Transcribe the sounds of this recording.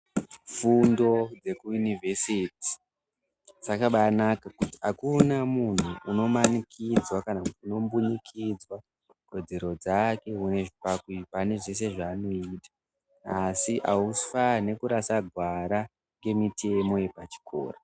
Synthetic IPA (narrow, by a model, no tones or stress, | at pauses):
fundo̞d͡ze̞kujunivesiti̥ | t͡sakaɓanakakutiakunamun̤uːno̞manikid͡zwakanakutuno̞mbuɲikʰid͡zwa | ko̞d͡ze̞ɾo̞d͡zake̞une̞ʐipakwipane̞ʐe̞s̬e̞ʐaːno̞iːtḁ | asiʔaufane̞kuɾasaɡʱwaɾa | ŋɡe̞mitʰe̞mo̞je̞pat͡ʃi̥kʰo̰ːra